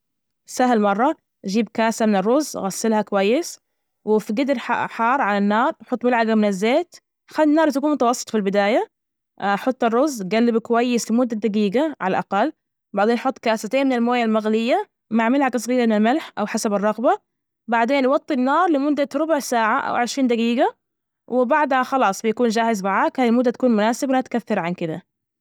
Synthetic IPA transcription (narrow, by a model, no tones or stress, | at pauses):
sahlmɑrˤːɑ | ʔd͡ʒiːbkaːsamɪnɪrˤːʊzɣasːɪlhakʊwajːɪs | wɪfiɡɪd̪ɾħħɑːɾˤʕalanːɑːɾˤħʊt̪ːˤmɪlʕaɡamɪnɪzːeːt̪ | xalːnːɑːɾˤt̪akuːnmʊt̪ɑwɑsˤːɨ̥t̪ˤfilbɪd̪aːja | ħʊt̪ˤːɨrˤːʊzːɡalːɪbkʊwajːɪslɪmʊd̪ːad̪aɡiːɡaʕa̰laʔaqɑlː | baʕd̪eːnħʊt̪ˤːkaːsat̪eːnmɪnɪlmoːjalmaɣlɪjːa | maʕmɪlʕaɡsˤɣiːɾmɪnalmɪlħʔawħasabɑrˤːɑɣba | baʕd̪eːnwɑt̪ˤːinːɑːɾˤlɪmʊd̪ːaɾʊbʊʕsaːʕaʔa̰wʔɪɾʃɾiːnd̪aɡiːɡa | wʔɪbaʕd̪haxɑlɑːsˤbɪjakuːnd͡ʒaːhɪzmaʕaːkhaːnɪlmʊd̪ːat̪akuːnmʊnaːsɪblat̪kaθːɪɾʕankɪd̪a̰